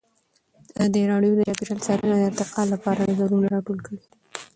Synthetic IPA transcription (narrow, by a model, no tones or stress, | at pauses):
d̪əɾɑɽjod̪əjɑpiʈalsɑɾənad̪əɪɾt̪ɪqɑlːapɑɾanazaɾunaɾɑʈolkəɽi